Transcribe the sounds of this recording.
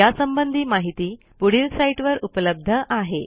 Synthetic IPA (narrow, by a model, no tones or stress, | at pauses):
jasəmbənd̪ʱiːmaɦit̪iː | puɽiːlsaiʈʋəɾupləb̚d̪ʱəʔaɦe